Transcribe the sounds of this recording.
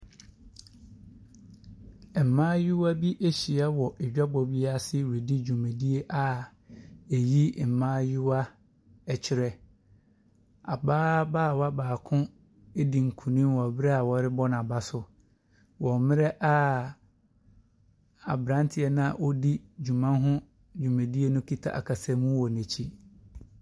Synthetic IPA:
m̩˨mã˦ju˦wa˦bi˦ʔe˦ɕi˨a˦wɔ˨ɛ˨d͡ʑᶣa˦bɔ˨bi˦a˦˨sɪ˦wɾe˨di˦d͡ʑu˨mɛ̃˨di˦e˦ʔa˨ | e˨ji˦˨m̩˨mãː˦ju˦wa˦ | ɛ˨t͡ɕʰɪ˦ɾɛ˦ | a˨baː˦baː˦˨wa˦baː˨kʰʊ̃˦ | e˦di˨ŋ̩˨kʰũ˨nĩ˦wɔ˨a˨bɪ˦ɾɛ˦a˨wɔ˨ɾɪ˦bɔ˦n˨a˨ba˦sʊ˦ | wɔ̃˨mɪ̃˦ɾɛ˦ʔa˦ | a˨bɾã˦n˦tʰɪ˨˦ɛ˦nã˨ʔɔ˦di˦d͡ʑᶣũ˨mã˦nɦʊ̃˦ | d͡ʑᶣũ˨mɛ̃˨di˦e˦nʊ̃˦kʰi˦tʰa̰˦ʔa̰˨kʰa˨sɛ˦mũ˦wɔ˨nɛ̃˨t͡ɕʰi˦

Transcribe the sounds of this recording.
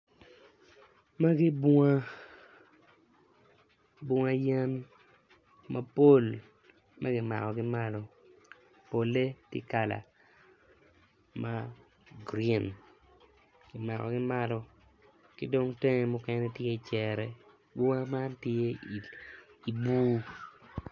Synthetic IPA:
ma˦ɡɪ˦bʊ˦ŋa˦ | bʊ˨ŋa˨jɛ˦n | ma˦po˦l | ma˦ɡɪ˦ma̰˨kɔ˨ɡɪ˦ma˦lɔ˦ | po˨le˦tḛ˦ka˨la̰˨ | ma˦ | ɡɾi˦n | ɡ̥ɪ˨ma˨kɔ̰˨ɡɪ˦ma˦lɔ˦ | kɪ˦do˦ŋte˦ŋe˨mɔ˦kɛ˦nɛ˦tje˦˨t͡ʃɛ˨ɾɛ˨ | bʊ˦ŋa˦ma˦ntje˦ | i˨buː˦

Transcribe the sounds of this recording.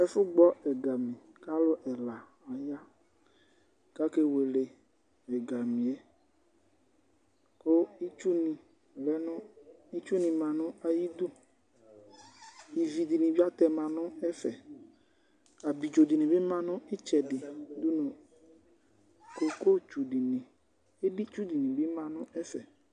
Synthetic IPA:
ɛ˦fʊ˦ɡ͡bɔ˦ɛ˨ɡa˨mĩ˨ | ka˦lʊ˦ʔɛ˨la˨ | a˨ja˦ | ka˦ke˦we˨le˨ | ɛ˨ɡa˨mĩ˨ɛ˨ | ko˦i˦t͡ʃu˦nĩ˨ | lɛ˦nʊ̃˦i˦t͡ʃu˦nĩ˨mã˨nʊ̃˦a˨ji˦d̪u˦ | i˨vi˨di˨nĩ˨bi˦a˦t̪ɛ˨mã˨nʊ̃˦ɛ˦fɛ˨ | a˨bi˨d͡ʒo˨di˨nĩ˨bɪ˦mã˨nʊ̃˦ɪ˦t͡ʃɛ˨dɪ˨du˦nõ˨ | ko˨ko˦t͡ʃu˨di˨nɪ̃˨ | e˦di˦t͡ʃu˦di˨nĩ˨bɪ˦mã˨nʊ̃˦ʔɛ˦fɛ˨

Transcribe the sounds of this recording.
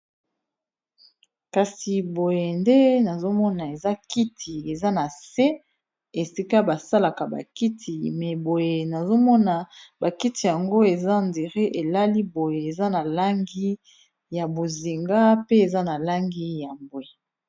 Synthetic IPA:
ka˨si˨bo˨je˨nde˦na˨zo˦mɔ˦na˨e˨za˦ki˦tʰi˨e˨za˦na˨se˦ | e˨si˦ka˦ba˨sa˦la˨ka˨ba̰˨ki˦tʰi˨mɛ˨bo˨je˨na˨zo˦mɔ˦na˨ba˨ki˦ti˨ja˨ŋɡo˦e˨za˦˨nde˨ʁe˦ʔe˨la˦li˦bo˨je˨e˨za˦na˨la˦ŋɡi˦ | ja˨bo˨zi˨ŋɡa˦pe˦e˨za˦na˨la˦ŋɡi˦ja˨mbo˨e˨

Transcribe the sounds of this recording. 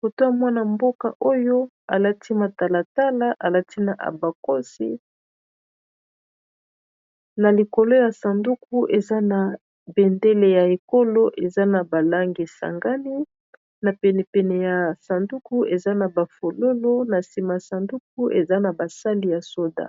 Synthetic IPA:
ko˨to˦a˨mwa˦na˨mbo˦ka̰˨ʔo˦jo˦ | a˨la˦tʰi˦ma˨ta˨la˨ta˦la˦ʔa˨la˦ti˦na˨ʔa̰˨ba˨ko˦sḭ˦ | na˨li˨ko˨lo˦ja˨sa˨ndu˦ku˦ʔe˨za˦na˨ | be˨nde˦le˦ja˨e˨ko˦lo˦ʔe˨za˦na˨ba˨la˦ŋɡi˨sa̰˨ŋɡa˦ni˦ | na˨pɛ˨nɛ˨pɛ˨nɛ˨ja˨sa˨ndu˦ku˦e˨za˦na˨ba˨fo˨lo˦lo˦na˨si˨ma˨sa˨ndu˦k̚u˦ʔḛ˨za˦na˨ba˨sa˦li˨ja˨so˦da̰˦˨

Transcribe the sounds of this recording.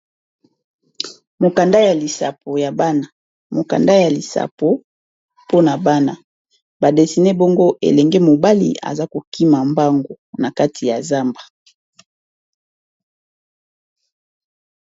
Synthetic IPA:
mo˨ka˨nda˦ja˨li˨sa̰˨pʰo˨ja˨ba˦na˨ | mo˨ka̰˨nda˦ja˨li˨sa̰˨po˨ | po˦na˨ba˦na˦ | ba˨de˨si˨ne˦bɔ˦ŋɡo˦ʔḛ˨lɛ˨ŋɡe˦mo˨ba˦lḭ˨ʔa̰˨za˦ko˨ki˦ma˨mba˦ŋɡo˨na˨ka˦tʰi˨ja˨za˦mba˨

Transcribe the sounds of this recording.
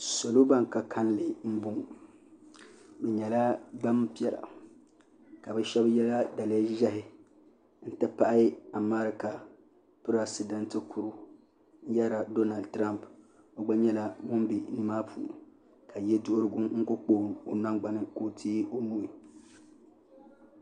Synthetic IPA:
so˨lo˦ba˦ŋka˨kʰa˦nlɪ˨m̩˦bʊ˦ŋ˨ | bɛ˨ɲɛ˨la˦ɡ͡ba˦mpi˦ɛ˦˨la̰˨ | ka˨bɛ˦ʃɛ˦bjɛ˦la˦da˨le˦ʒɛ˦ɦɪ˨ | n̩˦tɨ˦pa˦ʔa˦a˨ma˦ɾɪ˨ka˨ | pɨ˦ɾa˨sɪ˨dɛ˦ntɨ˦kʰu˨ɾu˦ | n̩˦ja˦ɾa˨do˦na˨ldtɾa˦mp | o˨ɡ͡ba˦ɲɛ˦la˦ŋʊ˦mbi˨nɨ˦maː˦pʰṵː˨ | ka˨jɛ˦dʊ˦ʔʊ˦ɾɨ˦ɡʊ˦mŋ̩˦kʊ˦k͡poː˦˨n˨o˨na˦ŋɡ͡ba˨nɪ˦ko˦tʰiː˦o˦nu˦i˨

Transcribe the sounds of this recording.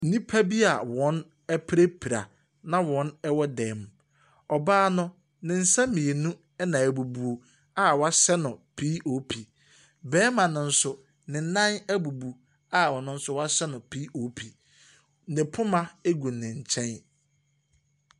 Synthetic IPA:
n̩˦nĩ˦pʰa˦bi˦a˨wɔ̃˨˦n | ɛ˦pʰɾe˦pʰi˨ɾa̰˨ | nã˦wɔ̃˨˦nɛ˦wɔ˦dɛ˨m˨ | ɔ˨baː˦nʊ̃˦ | nɪ̃˨n̩˨˦sã˦mĩ˨e˨nũ˦ | ɛ˦nã˨æ˨bu˨bu˨o˨ | a˦˨wɔ˨˦a˦sɛ˦nʊ̃˨pʰi˦ʔo˨˦pʰi˨ | bɛː˦mã˨nʊ̃˨n̩˦sʊ˨ | nɪ̃˨n̩˦nã˦næ˦bu˨bu˨ | a˦˨wɔ˨nʊ̃˦n̩˦sʊ˦wɔ˦a˦sɛ˦nʊ̃˨pʰiː˦ʔo˨pʰi˨˦ | nɪ̃˨pʰʊ̃˦mã˦e˦ɡu˨nɪ̃˨ɲ̩˨t͡ɕʰɛ̃˦n

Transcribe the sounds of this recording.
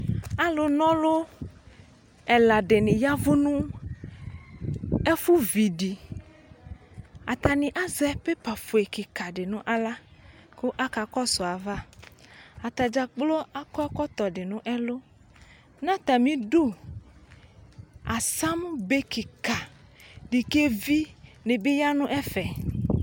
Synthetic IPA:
a˦lo˨nɔ̃˦lo˦ | e˨la˨ɖe˨nĩ˨ja˦vo˦nũ˦ | e˦fu˦vi˨ɖi˨ | a˨t̪a˨nĩ˨ʔa˦zɛ˦pe˦pa˨fo˨e˨ki˨ka˨ɖe˨nũ˦ʔa˦la˦ko˦ʔa˦ka˨kɔ˦so˨a˨va˦ | a˨t̪a˨d͡ʒa˨k͡plo˦a˦kɔ˦a˦kɔ˦t̪ɔ˨ɖe˨nũ˦ʔɛ˦lo˦ | nã˦t̪a˨mĩ˦ɖo˦ | a˨sa˦m˦be˦ki˨ka˨ | ɖi˨ke˦vi˦ne˨be˦ja˦nũ˦ʔɛ˦fɛ˨

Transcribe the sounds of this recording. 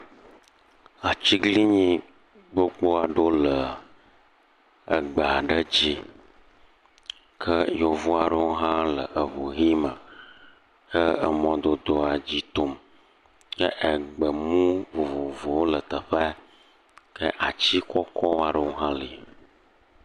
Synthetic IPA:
a˨t͡ɕi˦ɡli˦ɲĩ˦ | bo˦k͡po˦a˨ɖo˦lə˨ | ə̰˨ɡ͡ba˨ɖə˦d͡ʑi˦ | kʰə˦jo˨vo˦a˨ɖə˦wo˦ɦã˦lə˨ʔə˨βo˨ɦi˦mə˨ | kə˦ə˨mɔ̃˦d̪o˨d̪o˦a˨d͡ʑi˦t̪o˦m | kə˦ʔə˨ɡ͡bə˨mũ˦vo˨vo˨vo˨wo˦lə˨t̪ə˨ɸə˦ | kə˦ʔa˨t͡ɕi˦kɔ˦kʰɔ˦wa˨ɖə˦wo˦ɦã˦li˨

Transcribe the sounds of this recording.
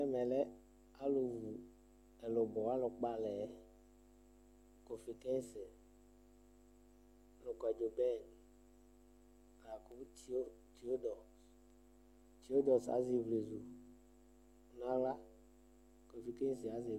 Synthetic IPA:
ɛ˦mɛ˨lɛ˦ | a˦lo˨vu˨ | ɛ˨lo˨bɔ˨a˦lʊ˨k͡pa˦˨lɛ˨˦ | ko˨fi˨kɛ˦n˦sɛ˨˦ | lʊ˨kwa˨d͡ʒo˨bɛ˦˨n˨ | la˨ku˦˨˦ | ti˨˦o˦dɔ˨s | ti˨o˦dɔ˨sa̰˨˦zi˨vle˨zu˨ | u˨na˦la˦ | kõ˨fi˨kẽ˦n˦si˨a˦zɪ˨

